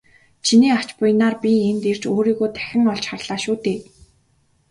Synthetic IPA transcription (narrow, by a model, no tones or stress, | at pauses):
t͡ɕʰiniːḁt͡ɕpʊjnaːrpʲient̪er̥t͡ɕoːɾiːɣoːt̪ʰæ̥xʲɪ̆ŋɔɮt͡ɕχarɮ̥aːʃuːt̪eː